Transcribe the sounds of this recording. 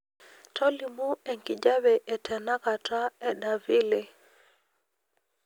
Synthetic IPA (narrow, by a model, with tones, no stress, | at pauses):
tʰɔ˦li˨mu˦e˨ŋki˨d͡ʒa˦βɛ˨ʔɛ˨tʰɛ˨na˦ka˨ta˦ɛ˨da˨vi˦le˨